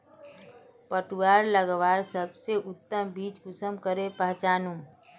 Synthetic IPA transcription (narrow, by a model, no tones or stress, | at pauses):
pəʈwaːɾləɡʋaːɾsəbseʔʊt̪ːəmbiːt͡ʃkʊsəmkəɾepəɦt͡ʃaːnu